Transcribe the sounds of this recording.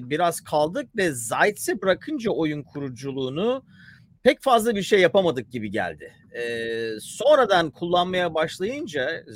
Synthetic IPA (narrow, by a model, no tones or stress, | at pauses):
biɾaz̥kʰalˠd̪ɯk̚vɛzajt̪sibɯɾakʰɯnd͡ʒao̞junkʰuɾud͡ʒulˠuːnu | pʰɛcfazlˠabiɾʃe̞jːapamad̪ɯk̚ɟibiɟæ̰lʲd̪ɪ | ɛso̞nɾad̪ankʰulˠːanmajabaʃlˠajɯnd͡ʒa